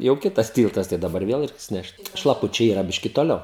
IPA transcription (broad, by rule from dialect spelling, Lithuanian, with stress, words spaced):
jɛʊ ˈkʲɪtɐs ˈtʲiːlˠtɐs tɐɪ dɐˈbɐr ˈʋʲeːlˠ ˈrʲɛɪks ˈnʲɛʃt ʃlˠɐˈpʊt͡ʃʲɛɪ iːˈrɐ ˈbʲɪʃʲkʲɪ toːˈlʲɛʊ